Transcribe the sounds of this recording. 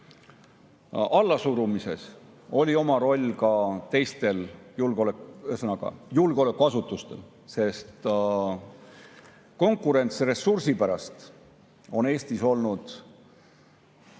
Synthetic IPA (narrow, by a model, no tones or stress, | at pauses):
ɑlːɑsuɾumise̞s | o̞lʲio̞mɑɾo̞lʲːkɑt̪e̞jst̪e̞ljulɡoleksɤnɑɡ̥ɑ̰julɡ̥eo̞le̞kːˑuɑsut̪ːˑust̪e̞l | se̞st̪ | ko̞ŋkːˑuɾe̞nt̪sre̞sursipæɾɑst̪ | o̞ne̞ːsʲt̪iso̞lnud̪̥